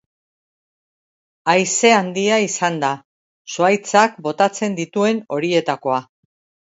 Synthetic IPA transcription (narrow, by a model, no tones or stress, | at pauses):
ajse̞and̪iaisand̪a | soajt͡sakbo̞t̪at͡se̞nd̪it̪ue̞no̞ɾie̞t̪ako̞a